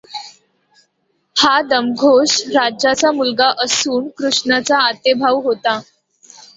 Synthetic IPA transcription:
had̪əmɡʱoʂɾad͡ʑjat͡samulɡaʔəsuːnkɾuʂɳat͡saːt̪ebʱaʋɦot̪a

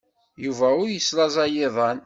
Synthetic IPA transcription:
juvæʊɾjəslɑzˤɑjɪðˤɑn

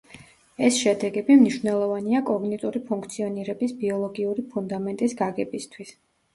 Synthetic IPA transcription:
ɛsʃɛd̪ɛɡɛbimniʃvnɛlˠɔvaniakʼɔɡnit̪ʼuɾipʰuŋkʰt̪sʰiɔniɾɛbisbiɔlˠɔɡiuɾipʰund̪amɛnt̪ʼisɡaɡɛbist̪ʰwis

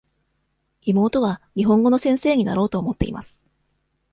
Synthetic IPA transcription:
imo̞ːt̪o̞β̞aɲ̟iɦõ̞ŋɡo̞no̞sẽ̞ɰ̃se̞ːɲ̟ina̰ɾo̞ːt̪o̞ːmo̞t̪ːe̞̰ḭma̰sɨ̥

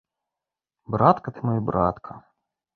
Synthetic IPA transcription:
bɾat̪kɐt̪ɨmɔjibɾʔat̪kʰɐ

